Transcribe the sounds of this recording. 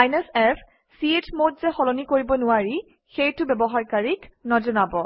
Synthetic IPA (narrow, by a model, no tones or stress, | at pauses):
ajnesɛpʰ | siet͡ʃmotzɛxɔlonikoɹibɔnʊwaɹi | xejtʊbɛbɔɦaɹkaɹiknɔzɔnabɔ